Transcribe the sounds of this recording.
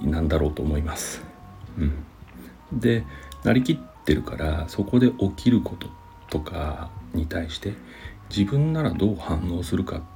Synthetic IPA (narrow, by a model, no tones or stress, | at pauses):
nãnd̪aɾo̞ːt̪o̞ːmo̞imasɨ̥ | ɯ̟̃ɴ | d̪e̞nʔaɾʲikʲit̪ːe̞ɾɯ̟kaɾaso̞ko̞d̪e̞ʔo̞kʲʰiɾɯ̟kʰo̞t̪o̞̥ | t̪o̞kʰaɲ̟it̪aiɕi̥t̪e̞ | d͡ʑibɯ̟̃nːaɾad̪o̞ːhãnːo̞ːsɨɾɯ̟ka̰